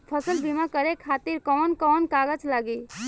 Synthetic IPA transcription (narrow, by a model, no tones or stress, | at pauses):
pʰəsəlbʱimãkəɾekʰaːt̪iɾkɔːnkɔːnkaːɡət͡ʃlaːɡi